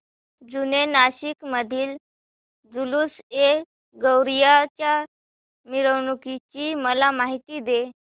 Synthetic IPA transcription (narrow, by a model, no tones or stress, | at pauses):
d͡zunenaɕikməd̪ʱiːl | d͡zuluse | ɡəwɾijat͡ɕja | miɾəwɳukit͡ɕiːməlamaɦit̪iːd̪e